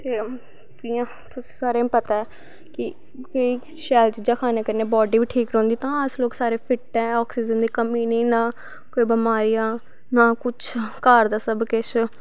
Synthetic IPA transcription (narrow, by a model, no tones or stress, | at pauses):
t̪eː | t̪ɪãː | t̪ʊsĩ̥ːsaːɾẽːpət̪aːɛː | kɪ | koiː | ʃɛːlt͡ʃiːd͡ʒãːkʰaːneːkəɾneːbɔːɖiːʋiːʈʰiːkɾɛ̃ːnd̪iːt̪ãːəsloːksaːɾeːpʰɪʈːɛ̃ːɔːksiːd͡ʒənd̪iːkəmĩːnĩːnãː | koːiːbəmaːɾijãː | naːkʊt͡ʃʰkaːɾd̪aːsəbkɪʃ